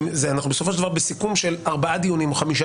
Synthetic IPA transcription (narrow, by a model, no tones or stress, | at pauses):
mzeanaχnubesofoʃeldavaʁbesikumʃelaʁbaʔad̪ijonimoχamiʃ